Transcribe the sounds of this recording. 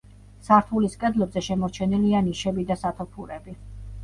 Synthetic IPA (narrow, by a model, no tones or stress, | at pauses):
saɾt̪ʰuliskʼɛd̪lɔbzɛʃɛmɔɾt͡ʃʰɛnilianiʃɛbid̪asat̪ʰɔpʰuɾɛbi